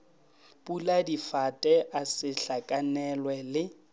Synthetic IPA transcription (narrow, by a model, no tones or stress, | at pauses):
pʼuladifatʼɛʔasɪɬakʼanɛlwɛlɪ